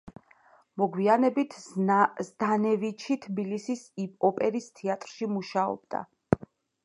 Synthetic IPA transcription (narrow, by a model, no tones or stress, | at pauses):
mɔɡwianɛbit̪ʰzd̪anɛvit͡ʃʰit̪ʰbilisisipʼɔpʼɛɾist̪ʰiat̪ʼɾʃimuʃaɔ̰b̚d̪̥a̰